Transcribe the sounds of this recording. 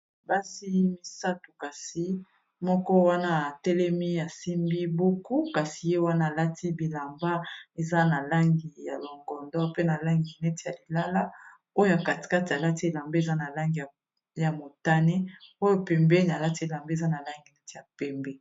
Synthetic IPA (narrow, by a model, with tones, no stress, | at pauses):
ba˦si˦mi˦sa˦tu˨ka˨si˦ | mɔ˦kɔ˦wa˦na˦a˨tɛ˦lɛ˦mi˦a˨si˦mbi˦bo˦ku˦ka˨si˨je˦wa˦na˦˨la˦ti˦bi˨la˨mba˦e˨za˦na˨la˦ŋɡi˨ja˨lɔ˨ŋɡɔ˨ndɔ˦pe˦na˨la˦ŋɡi˨nɛ˦te̥˨ja˨li˨la˦la˦ | o˦o˦ja˨ka˨ti̥˨ka˦ti˨a˨la˦ti˦e˨la˨mbe˦e˨za˦na˨la˦ŋɡi˨ | ja˨mo˨ta˦ne˦o˦jo˦pɛ˨mbɛ˦n˨a˨la˦ti˦e˨la˨mbe˦e˨za˦na˨la˦ŋɡi˨nɛ˦te˨ja˨pɛ˨mbɛ˦